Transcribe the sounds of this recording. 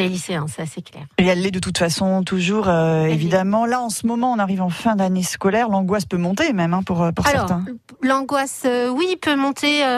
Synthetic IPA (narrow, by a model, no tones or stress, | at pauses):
leliseɑ̃sasɛklɛ̰ːʁiɛlːɛd̪ət̪ut̪fasɔ̃t̪uʒuːʁøevid̪amɑ̃laɑ̃səmɔmɑ̃ɔ̃naʁivɑ̃fɛ̃d̪anesə̥kɔlɛʁlɑ̃ɡwaspømɔ̃t̪emɛmɛ̃puʁøpuʁasɛɔʁt̪ɛ̃ | lɑ̃ɡwasøwipʰømɔ̃t̪ʰeø